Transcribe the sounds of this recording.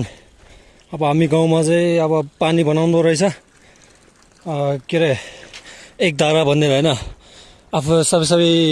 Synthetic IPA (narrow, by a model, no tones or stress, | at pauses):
n | ʌbʌɦamiɡaw̃mat͡saĩʌβʌpanibʌnaw̃nd̪oɾʌɦit͡sʰʌ | keɾe | ek̚d̪aɾabʱʌnːeɾʌɦenʌ | ʌpʰusʌbʌjsʌbʌj